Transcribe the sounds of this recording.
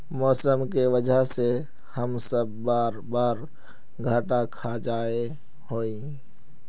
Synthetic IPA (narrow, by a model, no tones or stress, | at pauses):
mɔːsəmkiʋəd͡ʒəse | həmsəbːaːɾbaːɾ | ɡʱaːʈakʰad͡ʒaːe | hoːi